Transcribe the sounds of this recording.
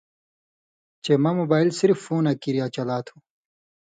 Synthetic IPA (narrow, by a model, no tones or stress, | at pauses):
t͡ɕemamobaːilsiɾfːuːnakiɾijat͡ɕɐlaːt̪ʰũ̥